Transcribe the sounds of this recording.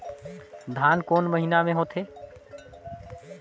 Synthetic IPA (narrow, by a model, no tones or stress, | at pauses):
d̪ʱankonməɦinameɦot̪ʰe